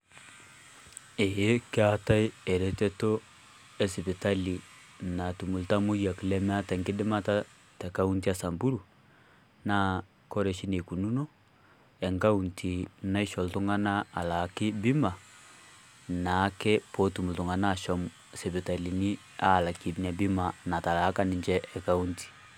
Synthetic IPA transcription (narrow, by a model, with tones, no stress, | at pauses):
e˨je˦kɪ˦a˦ta˦i˦ɛ˨ɾɛ˦te˦to˦ | ɛ˨si˨pi˨ta˦li˨na˨tu˨mu˨lta˦mu˦ja˨ki˨lɛ˦mɛ˦a˦tɛ˨ŋkɪ˦dɪ˦ma˦ta˦ | tɛ˨ka˦u˦nti˦a˦sa˨mbu˦ɾu˨ | na˦ | ko˦ɾe˨ʃi˦ne˨ku˨nu˦no˦ | ɛ˨ŋka˦u˨ntʰi˨na˦i˦ʃɔ˨ltu˦ŋa˦na˦a˨la˨˦kɪ˦bɪ˦ma˨ | na˨˦kɛ˦po˦tu˨mu˨ltu˨ŋa˨na˦˨ʃɔ˦m˨ | sɛ˨pi˨ta˨li˨nɪ˦ | a˦˨la˨ki˨bna˨bi˦ma˨na˨ta˨la˨˦ka˦nɪ˨ɲt͡ʃɛ˦ʔɛ˨ka˦u˦nti̥˨